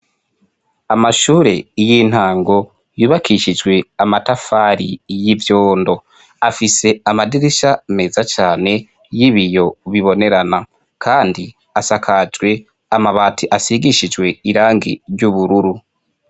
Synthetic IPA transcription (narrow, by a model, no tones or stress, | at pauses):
amaʃuːɾe̞jin̥haːŋɡo̞ | juːβakʰiʃid͡ʒɡwe̞amatafaːɾijivjo̞ːndo̞ | afise̞amadiɾiʃameːzat͡ʃaːne̞ | jiβijo̞βiβo̞ne̞ɾana | kʰaːndi | asakʰad͡ʒɡwe̞ | amaβaːtʰiʔasiɡiʃid͡ʒɡwe̞iɾaːŋɡḭɾjɟuβuɾuɾu